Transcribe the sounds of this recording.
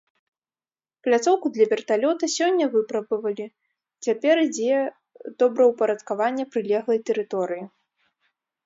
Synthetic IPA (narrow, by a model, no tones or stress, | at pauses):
plʲat̪sɔwkud̪lʲɐvʲɛrt̪alʲɔt̪ɐsʲɔnʲːɐvɨpɾɐbɨvɐlʲi | t͡sʲapʲɛɾid͡zʲejɛ | d̪̥ɔbɾɐwpɐɾɐt̪kavanʲːɐpɾɨlʲɛɣlˠɐjt̪ɛɾɨt̪ɔɾɨji